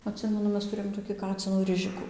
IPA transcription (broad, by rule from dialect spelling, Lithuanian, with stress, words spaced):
ɐtʲˈsʲɪmʲɛnʊ ˈmʲɛs tʊˈrʲeːjoːm toːkʲɪ ˈkɑːt͡sʲɪnuː ˈrʲɪʒʲɪkʊ